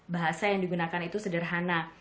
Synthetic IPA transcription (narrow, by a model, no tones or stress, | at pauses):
baɦasajaŋdiɡunakanit̪usədərɦana